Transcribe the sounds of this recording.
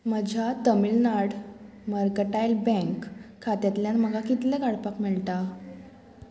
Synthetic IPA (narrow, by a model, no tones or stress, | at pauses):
məd͡ʑʱat̪əmilnaɽ | məɾkəʈajlbɛ̃ŋkʰː | at̪jat̪ljanməɡʱakit̪lɛ̃kaɽpakmiɭʈ̪a